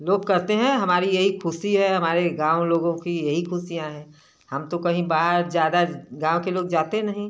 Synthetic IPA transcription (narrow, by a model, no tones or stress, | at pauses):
loːɡ̚kɐɾt̪eɦɛ̃ɦɐmaːɾijɐɦikʰʊsiɦɛɦɐmaːɾeɡãːoloːɡõkijɐɦikʰʊsijãɦɛ̃ː | hɐmt̪okɐɦĩbaːɦəɾd͡ʒjaːd̪aɡãːõkeloːɡd͡ʒaːt̪enɐɦĩ